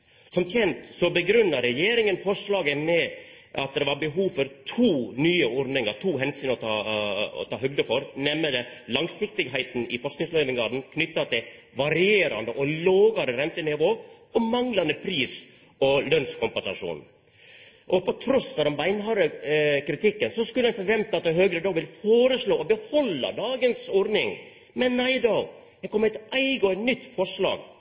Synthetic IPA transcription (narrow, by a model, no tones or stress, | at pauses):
sɔmt̪ʰjɛnt̪sɔbəɡɾʉnːɑɾɛjeːɾɪŋənfɔʂɭɑːɡəmɛ | ʔɑt̪̚d̪ɛʋɑɾbəɦuːʋfɔɾt̪ʰuːnyːəɔɾɖ̪nɪŋɑɾt̪ʰuːɦɛnsyːnɔt̪ʰɑɔ̰t̪ʰɑːɦœɡ̚d̪əfɔɾnɛmːəd̪ɛlɑŋsɪk̚t̪ɪɡɦæɪt̪n̩ɪfɔʂknɪŋsleːʋɪŋɡɑːɖn̩kʰnʏt̪ːɑt̪ʰɪ | ʋɑɾɪeːɾɑnd̪əʔɔloːɡɑɾəɾɛmt̪ənɪʋoː | ɔmɑŋlɑnd̪əpʰɾiːs | ɔlœnskʰʊmpɛnsɑʂṵːn | ʔɔpɔt̪ʰɾɔsfɔd̪ɛnbæɪnɦɑɾəkɾɪt̪ʰɪkːənsɔskʉləɛnfɔɾʋɛmt̪ɑt̪̚d̪ɛɦøːɡɾəd̪ɑːʋɪlfoːɾəsloːɔbəhɔlːɑ̰d̪ɑːɡənsɔɾnɪŋ | mɛnːæɪd̪ɑ | ɛkʰɔmːæɪt̪æɪɡəɔnʏt̪ːfɔʂɭɑ̰ːɡ